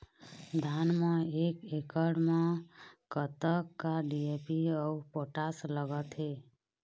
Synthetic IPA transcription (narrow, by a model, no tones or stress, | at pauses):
d̪ʱanmeekekəɽmekət̪əkːaɖiepiəupoʈasləɡət̪ɦe